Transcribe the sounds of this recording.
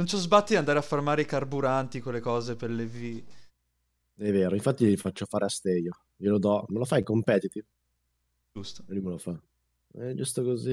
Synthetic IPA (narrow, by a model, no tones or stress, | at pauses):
nont͡ʃɔzbat̪ːid̪iand̪aːɾeafːarmaːɾeikarbuɾant̪ikolːekɔːzeperlevi | ɛvːeːɾoiɱfat̪ːijlifat͡ʃːofaːɾeast̪ejo | jelod̪ɔmelofajkompɛt̪it̪iv | d͡ʒust̪o̥eluimelofa | ɛd͡ʒust̪okozi